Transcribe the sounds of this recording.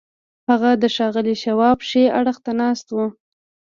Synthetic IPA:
haɣad̪əʃɑɣəliʃawɑpʃeaɽəxt̪anɑst̪wu

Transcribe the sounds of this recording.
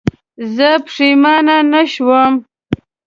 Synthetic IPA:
zəpʂimɑnanaʃwəm

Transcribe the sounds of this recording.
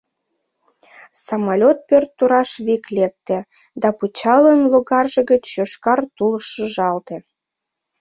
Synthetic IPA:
sɑmɑlʲot̪̚pørt̪ːuɾɑʃβiklek̚t̪ĕ | d̪ɑput͡ɕɑlənloɣɑrʒə̆ɣət͡ɕːøʃkɑrt̪ulʃəʒɑlt̪ĕ

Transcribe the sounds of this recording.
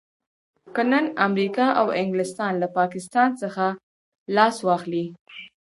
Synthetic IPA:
kənənamɾikɑʔawɪŋɡlɪst̪ɑnlapɑkɪst̪ɑnsəxa | lɑswɑxli

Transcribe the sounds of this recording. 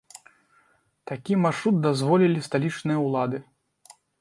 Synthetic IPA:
t̪akʲimarʂɾut̪̚d̪azvɔlʲilʲist̪alʲit͡ʂnɨjɐwlˠad̪ɨ

